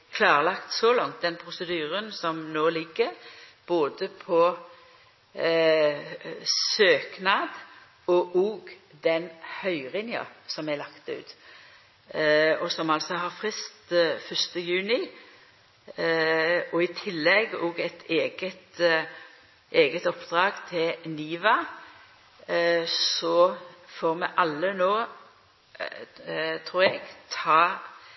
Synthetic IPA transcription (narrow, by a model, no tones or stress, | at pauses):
kʰlɑːɾəlɑkt̪sɔlɑŋt̪̚d̪ɛnpʰʁʊsəd̪yːɾənsɔmnoːlɪɡːəɾb̥oːd̪əpʰɔ | søːknɑːd̪ | ɔʔoːɡd̪ɛnhœʏʁɪnjɑ̰sɔmɛlɑkt̪ʉ̰ːt̪ | ɔsɔmɑlsɔɦɑɾfʁɪst̪fœst̪əjʉːnɪ | ɔɪt̪ʰɪlːɛɡɔːɡɛt̪ʰeːɡət̪ | ʔeːɡət̪ɔpːd̪ʁɑːɡt̪ʰɪlniːʋɑ | sɔfoːʁmɛʔɑlːənoː | t̪ʰʁuːʁɛɡt̪ʰɑː